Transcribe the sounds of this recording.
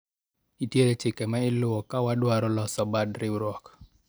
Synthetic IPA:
itjeɾet͡ʃɪkɛmaɪlʊwɔkawadwaɾɔlɔsɔbadɾɪɾɔk

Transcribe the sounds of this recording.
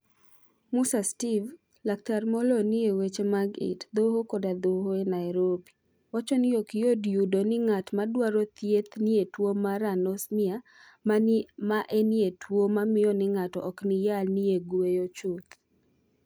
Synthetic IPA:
musastiv | lak̚tarmolonɪewet͡ʃemaɡɪ̰td̪ohokodad̪oɦoenajɾobi | wat͡ʃɔnɪokɪjodjudonɪŋatmadwaɾɔt̪jet̪nɪetwomaɾanɔsmɪa | mamaʔenietwomamɪjɔnɪŋatɔʔɔknɪjalnɪeɡwejot͡ʃut̪

